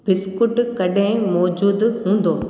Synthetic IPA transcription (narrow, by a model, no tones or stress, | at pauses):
bɪskʊʈkɐɖẽmɔːd͡ʑuːd̪ɦũːn̆d̪oː